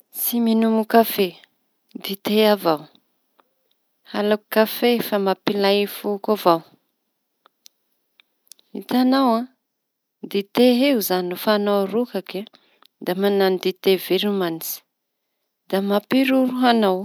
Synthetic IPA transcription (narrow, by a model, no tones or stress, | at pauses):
siminumukafe | d̪it̪eavaw | halaku̥kafefamapilajfukavaw | it̪anawã | d̪it̪eɦeuzanufanawrukake | d̪amananid̪it̪eveɾumant͡si̥ | d̪̥amapiɾuɾuɦanaw